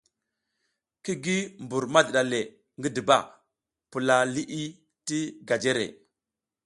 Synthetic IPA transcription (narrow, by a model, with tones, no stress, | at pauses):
ki˦ɡi˦mbu˨ɾma˦dɗa˨le˨ | ŋɡi˦di˨ba̰˦˨ | pu˨la˨li˦ʔi˦ | ti˦ɡa˨d͡ʒe˦ɾḛ˨